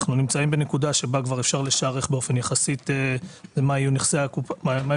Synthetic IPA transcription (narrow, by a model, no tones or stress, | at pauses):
χnunimt͡saimbe̞ne̞kud̪aʃe̞bakvaʁe̞fʃaʁleʃaːʁeχbe̞ofe̞njaχasit̪ezemaijuniχseakupama